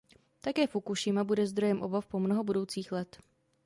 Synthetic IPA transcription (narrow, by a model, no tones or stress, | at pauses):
t̪akɛːfukuʃɪmabudɛzd̪ɾo̞jɛmʔobafpomnoɦobudo̞wt͡siːxlɛt̪